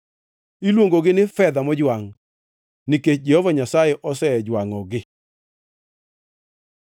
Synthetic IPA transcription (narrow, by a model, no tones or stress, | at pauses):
ilwoŋɡoɡɪnɪfɛd̪amɔd͡ʒwaŋ | nɪket͡ʃd͡ʒɛhovaɲasajeʔɔsɛd͡ʒwaŋɔɡɪ